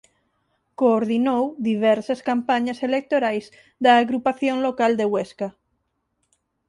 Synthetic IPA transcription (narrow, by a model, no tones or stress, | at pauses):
koːɾðinowðiβ̞ɛɾsaskampaɲaselek̚t̪oɾajz | ðaːɣɾupaθjõŋlokald̪eweska